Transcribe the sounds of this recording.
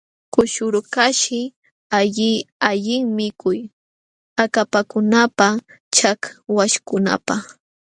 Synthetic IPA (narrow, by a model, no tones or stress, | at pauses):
kʊʃʊɾʊkaʃɪ | aʎɪaʎɪŋmɪkʊj | akapakʊnapa | t͡ʃakwaʃkʊna̰pa